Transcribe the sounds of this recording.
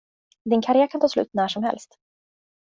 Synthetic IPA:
d̪ɪnkʰaɾɪæːɾkʰant̪ʰɑːslʉ̟̰ːt̪næːʂɔmhɛ̰lst̪

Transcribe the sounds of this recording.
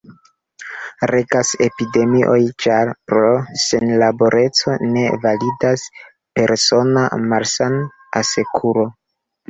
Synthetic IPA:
ɾe̞kase̞pide̞miʔo̞jt͡ʃaɾpɾo̞se̞nlabo̞ɾʔe̞t͡so̞ne̞validas | pe̞ɾso̞na̰maɾsan | ase̞kʰuɾo̞

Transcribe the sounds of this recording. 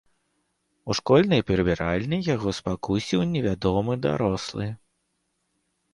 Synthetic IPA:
uʂkɔlʲnɨjpʲɛɾɨbʲɛɾalʲnʲɨjaɣɔspakusʲiwnʲɛvʲad̪ɔmɨd̪a̰ɾɔslˠɨ

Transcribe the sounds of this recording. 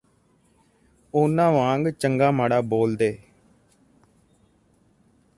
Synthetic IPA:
oːnãːʋãːŋɡt͡ʃəŋɡaːmaːɽaːboːld̪eː

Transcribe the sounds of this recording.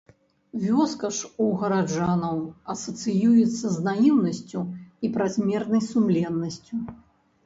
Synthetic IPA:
vʲɔskɐʂuɣɐɾad͡ʐanɐwɐsɐt̪sɨjujɛt̪sːɐznajiwnɐsʲt͡sʲuipɾazʲmʲɛrnɐjsumlʲɛnːɐsʲt͡sʲu

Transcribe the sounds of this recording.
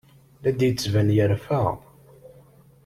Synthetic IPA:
læd̪jət͡sːvænjəɾfæʁ

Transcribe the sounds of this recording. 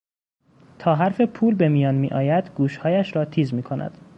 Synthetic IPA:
t̪ʰɒːɦæɾfe̞pʰuːlbe̞miːjɒːnmiːʔɒ̰ːjæd̪ɡuːʃhɒːjæʃɾɒːt̪ʰiːzmiːkʰo̞næ̰d̪̥

